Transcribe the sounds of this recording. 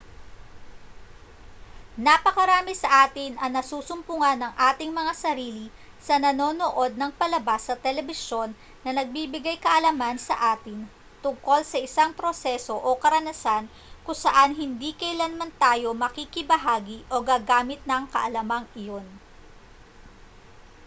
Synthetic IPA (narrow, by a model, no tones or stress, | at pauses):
nɐpɐkɐɾaːmisɐʔaːt̪ɪnɐŋnɐsuːsʊmpʊŋɐnːɐŋʔaːt̪ɪŋmɐŋasɐɾiːli | sɐnɐno̞ːnoʔo̞d̪̚nɐŋpɐlɐbasːɐt̪ɛlɛbɪso̞nː | ɐnɐɡ̚bibɪɡajkɐʔɐlɐmansɐ̰ʔaːt̪ɪn | t̪ʊŋko̞lsɐʔɪsaŋpɾo̞sɛso̞ʔokɐɾɐnɐsan | kʊŋsɐʔanɦɪnd̪iːkɐjlɐnmɐnt̪aːjo̞mɐkikɪbɐɦaːɡiʔo̞ɡaːɡaːmɪt̪̚nɐŋkɐ̰ʔɐlɐmɐŋɪjo̞n